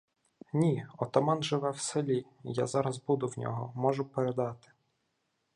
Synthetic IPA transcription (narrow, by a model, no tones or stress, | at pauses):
nʲiɔt̪ɔmɑnʒɪʋɛwsɪlʲi | ja̰zɑɾɐzbud̪ʊwnʲɔ̰ɦɔmɔʒʊpeɾed̪ɑt̪ɪ̥